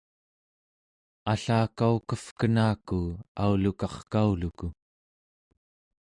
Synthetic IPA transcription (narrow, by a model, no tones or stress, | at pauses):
aɬaːkaukəfkənaːkuaulukɑχkauluku